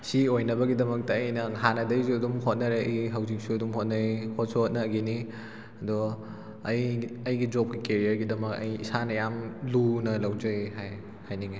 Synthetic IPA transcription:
siojnɐbɐɡidɐmɐk̚tɐːjnɐŋɦanɐdɐjsuɐdumɦot̚nɐɾeʔɐjɦɐwzik̚suɐdumɦot̚nɐjhot̚sot̚nɐːɡini | ɐdɔ | ɐjɐjɡid͡ʒop̚kikeɾiɐɾɡidɐmɐkɐ̰jisanɐjamlunɐlɐwd͡ʒɐɦaj | hajniɡi

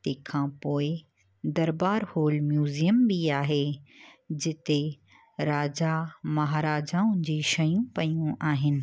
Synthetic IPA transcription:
t̪ekʰãːpoːɪ | d̪ɐɾbaːɾhoːlmjuːzijəmbiaːɦe | d͡ʑɪt̪e | ɾaːd͡ʑamɐɦaːɾaːd͡ʑaːʊ̃nd͡ʑiːʃɐjũpɐjjũʔaːɦɪnɪ̆

